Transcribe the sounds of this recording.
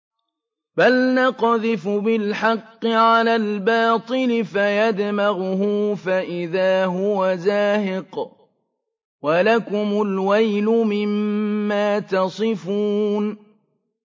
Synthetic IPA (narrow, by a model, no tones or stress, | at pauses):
balnɑqðɪfʊbɪlħɑqːɪʕalaːlbɑːt̪ˤɨlɪfajad̪maɣʊhʊfaʔɪðaːɦʊwazaːhɪq | walakʊmʊlwajlʊmɪmːaːt̪ɑsˤɨfuːn